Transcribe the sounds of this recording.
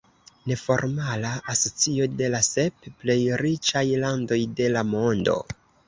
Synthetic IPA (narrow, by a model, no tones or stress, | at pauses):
ne̞fo̞̰ɾmalaaso̞t͡sio̞de̞lase̞pple̞jɾit͡ʃajlando̞jde̞lamo̞ndo̞̰